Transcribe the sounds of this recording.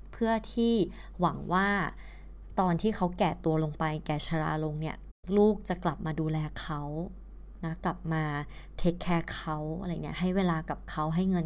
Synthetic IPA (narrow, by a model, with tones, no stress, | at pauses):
pʰɯ˥˩ɐt̪ʰiː˥˩ | wa˩˦ŋwaː˥˩ | t̪ɔː˧nt̪ʰiː˥˩kʰa˦˥wkɛː˨˩t̪u˧ɐlo˧ŋpa˧jkɛː˨˩t͡ɕʰa˧ɾa̰ː˧lo˧ŋni˥˩ɐ | luː˥˩k̚t͡ɕa˨˩kla˨˩p̚maː˧duː˧lɛː˧kʰa˦˥w | na˦˥kla˨˩p̚maː˧t̪ʰe˦˥kʰːɛː˥˩kʰa˦˥wa˧ɾa˧˨˩ni˦˥ɐɦa˥˩jweː˧laː˧ka˨˩p̚kʰa˦˥wɦa˥˩jŋɤ˧n